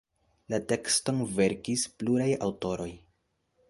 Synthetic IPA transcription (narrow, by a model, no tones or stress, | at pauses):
late̞ksto̞nve̞ɾkispluɾaja̰wto̞ɾo̞j